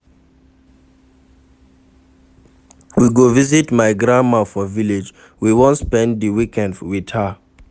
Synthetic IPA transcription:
wiɡovizitmaɪɡɾãnmafɔviled͡ʒ | wiwɔ̃nspɛ̃ndiwikɛ̃ndwid̥ha

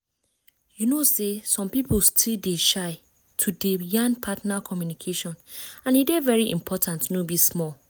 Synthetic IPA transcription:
junosesɔ̃mpipolstʰildeʃaɪ | tʰudejãnpʰatnakʰɔmjunikʰeʃɔ̃nãnidevɛɹiʔḭ̃mpʰɔtʰãntnobismɔl

